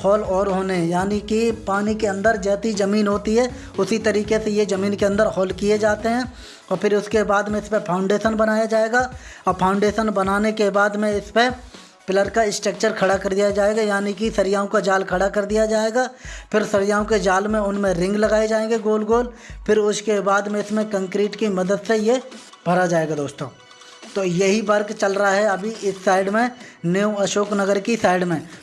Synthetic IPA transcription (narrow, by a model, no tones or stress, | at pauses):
hɔːlɔːɾɦoːneɦɛ̃jaːnikipaːnikeɐ̃nd̪əɾd͡ʒɛːt̪id͡ʒɐmiːnɦoːt̪iɦɛ | ʊsit̪ɐɾiːkesejezɐmiːnkeɐ̃nd̪əɾɦɔːlkijed͡ʒaːt̪eɦɛ̃ː | ɔːɾpʰɪɾʊskebaːd̪mẽɪspepʰaːʊ̃ɳɖeːʃənbɐnaːjad͡ʒaːeːɡaːɔːɾpʰaːʊ̃ɳɖeːʃənbɐnaːnekebaːd̪mẽɪspe | pɪləɾkaɪsʈək̚t͡ʃəɾkʰɐɽakɐɾd̪ijad͡ʒaːeːɡajaːnikisɐɾɪjaːõkad͡ʒaːlkʰɐɽakɐɾd̪ijad͡ʒaːeːɡaːpʰɪɾsɐɾɪjaːõked͡ʒaːlmẽʊnmẽɾɪ̃ŋɡlɐɡaːed͡ʒaːẽːɡiɡoːlɡoːlpʰɪɾʊskebaːd̪mẽɪsmẽkɐ̃ŋkɾiːʈkimɐd̪əd̪seje | bʱɐɾad͡ʒaːeːɡad̪oːst̪õː | t̪oːjɐɦibɐɾɡt͡ʃɐlɾəɦaɦɛɐbʱiʔɪsːaːɪɖmẽneːɐʃoːknɐɡəɾkisaːɪɖmẽ